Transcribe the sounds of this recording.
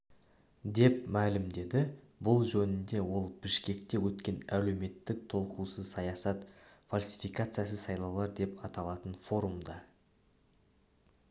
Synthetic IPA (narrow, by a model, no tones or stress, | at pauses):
d̪e̞p̚mælɪmd̪e̞d̪ɪ | bʊlˠʒɵnɪnd̪e̞wo̞lˠbɪʃkʲe̞k̚t̪e̞wɵt̪kʲe̞næle̞wme̞t̪ːɪk̚t̪ʰo̞lˠqusəzsɑjɑsɑt̪falʲsi̥fijkat̪sɨjas̬əsɑjlˠɑwlˠɑɾd̪e̞pɑt̪ɑlˠɑt̪ənfo̞ɾumd̪ɑ